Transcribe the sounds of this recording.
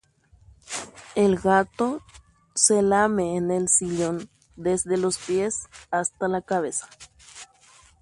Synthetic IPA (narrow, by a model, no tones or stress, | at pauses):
elɡat̪o | selameːnelsiʎon | d̪ezðelospjesast̪alakaβesḁ